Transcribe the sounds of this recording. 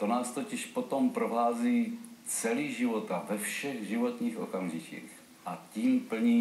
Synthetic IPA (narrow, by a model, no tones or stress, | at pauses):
t̪onaːst̪ocɪʃpo̞t̪ompɾoɦaːziːt͡sɛliːʒɪvot̪avɛfʃɛɣʒɪvo̞t̪ɲiːxʔo̞̰kamʒicḭːx | ʔaciːmpl̩ɲiː